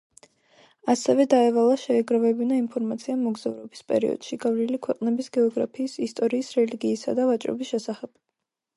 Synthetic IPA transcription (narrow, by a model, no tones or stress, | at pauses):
asɛvɛd̪aɛvalˠaʃɛːɡɾavɛbinainpʰɔɾmat̪sʰiamɔɡzavɾɔbispʼɛ̰ɾḭɔ̰d̪̥ʃiɡavlilikʰwɛqʼnɛbisɡɛɔɡɾa̰pʰiːsist̪ʼɔɾiːsɾɛliɡiːsa̰d̪avat͡ʃʼɾɔ̰bisʃɛsaχɛb̥̚